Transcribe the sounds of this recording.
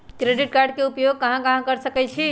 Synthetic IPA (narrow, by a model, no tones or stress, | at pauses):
kɾeɖiʈkaɾɖkeupjoɡ̚kːəɦãkəɦãkəɾsəkɛt͡ʃʰi